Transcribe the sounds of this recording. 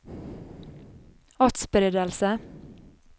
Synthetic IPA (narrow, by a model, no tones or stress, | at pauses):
ɑt̪sbɾeːd̪əlsə